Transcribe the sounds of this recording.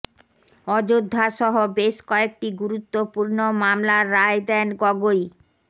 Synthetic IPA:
ɔd͡ʑod̪ʱːaʃɔɦobeʃkɔek̚ʈiɡuɾut̪ːopuɾnomamlaɾːaed̪ɛnɡɔɡoj

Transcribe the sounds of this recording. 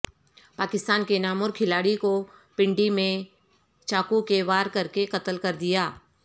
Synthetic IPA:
paːkɪst̪aːnkenaːmoɔːɾkʰɪlaːɽikopɪ̃ɳɖimẽ | t͡ʃaːkukeʋaːɾkɐɾkekɐt̪əlkɐɾd̪ɪjaː

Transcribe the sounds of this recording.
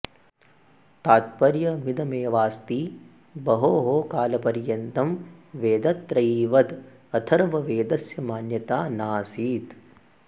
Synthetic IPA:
t̪aːt̪̚pɐɾjɐmid̪ɐmeːʋaːst̪iː | bɐɦoːɦoːkaːlɐpɐɾjɐnt̪ɐmʋeːd̪ɐt̪ːɾɐjiːʋɐd̪ | ɐt̪ʰɐɾʋɐʋeːd̪ɐsjɐmaːnjɐt̪aːnaːsiːt̪

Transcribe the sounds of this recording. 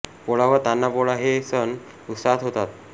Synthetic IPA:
poɭaʋəɾt̪anːapoɭaɦesən | ut̪saɦət̪ɦot̪at̪̚

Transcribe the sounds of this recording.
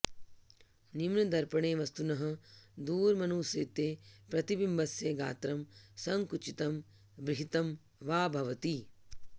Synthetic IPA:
nimnɐd̪ɐɾpɐɳeːʋɐst̪unɐɦɐ̆d̪uːɾmɐnuːseːt̪eːpɾɐt̪ibimbʱɐsjeːɡa̰ːt̪ɾɐmsɐŋkut͡ʃit̪ɐm | bɾɪɦit̪ɐm | ʋaːbʱɐʋɐt̪i

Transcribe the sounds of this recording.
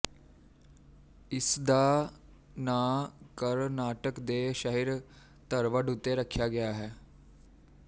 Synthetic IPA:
ɪsd̪aː | naːkəɾnaːʈəkd̪eːʃəɦɪɾ | t̪əɾʋəɖʊt̪ːeɾəkʰːjaːɡɪjaːɦɛː

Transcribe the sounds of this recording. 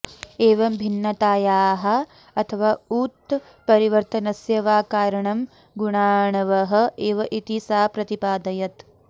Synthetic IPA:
eːʋɐmbʱinːɐt̪aːjaːɦɐ̆ | ɐt̪ʰɐʋaːuːt̪ː | pɐɾiʋɐɾt̪ɐnɐsjɐʋaːkaːɾɐɳɐm | ɡuɳaːɳɐʋɐɦɐ̆eːʋɐʔit̪isaːpɾɐt̪ipaːd̪ɐjɐt̪

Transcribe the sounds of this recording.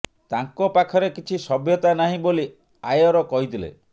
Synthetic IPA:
t̪aŋkɔpakʰɔɾekit͡ʃʰisɔbjɔt̪anaɦĩboli | ajɔɾɔkɔɦit̪ʰilḛ

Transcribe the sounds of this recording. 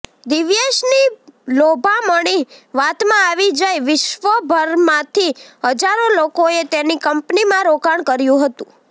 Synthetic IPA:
d̪ɪʋjeʃnilobʱaməɽ̃iʋat̪mãaʋid͡ʒajʋɪʃʋəbʱəɾmãt̪ʰiɦəd͡ʒaɾolokoet̪enikəmpnimãɾokaɳkəɾjũɦət̪ũ

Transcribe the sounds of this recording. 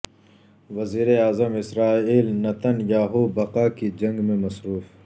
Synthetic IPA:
ʋɐziːɾeaːzəmɪsɾaːiːlnɐt̪ɐnjaːɦuːbɐqaːkid͡ʒɐ̃ŋɡmẽmɐsɾuːf

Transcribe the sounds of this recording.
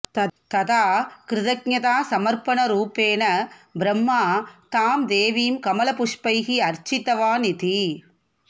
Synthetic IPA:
t̪ɐt̪aːkɾɪðɐk̚ɲɐt̪aːsɐmɐɾpɐnɐɾuːpeːnɐbɾɐmːaːt̪aːmd̪eːʋijmkɐmɐlɐpʊʂpɐɪɣiɐɾt͡ʃɪt̪ːɐʋaːnɪt̪i

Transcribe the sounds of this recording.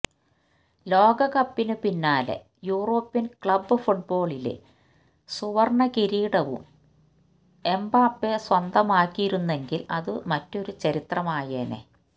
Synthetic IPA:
lo̞ːɡɐɣɐpːinɨpinːaːlḛ | juːro̞ːpːjɐnkɭɐbːɨfuʈ̚bo̞ːɭilḛ | suʋɐrɳɐkiɾiːɽɐʋṵm | e̞mbaːpːeswɐnd̪ɐmaːkʲːijiɾunːe̞ŋɡilɐðɨmɐtːo̞ɾut͡ɕɐɾit̪rɐmaːjeːnḛ

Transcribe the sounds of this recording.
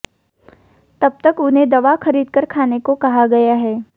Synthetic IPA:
t̪ɐb̚t̪ɐkʊnɦẽd̪ɐʋaxɐɾiːd̪kɐɾkʰaːnekokɐɦaɡɐjaɦɛː

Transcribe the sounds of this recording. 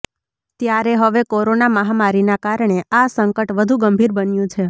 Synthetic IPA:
t̪jaɾeɦəʋekoɾonaməɦamaɾinakaɾɳ̃easəŋkəʈʋəd̪ʱuɡəmbʱiɾbənjũt͡ʃʰe

